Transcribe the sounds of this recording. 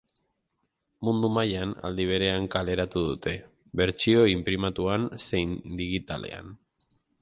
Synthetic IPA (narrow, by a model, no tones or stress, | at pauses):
mund̪umajana̰ld̪iβ̞e̞ɾe̞aŋkale̞ɾat̪uðut̪e̞ | βe̞ɾt͡ʃio̞impɾimat̪uanse̞jnd̪iɣit̪ale̞̰a̰n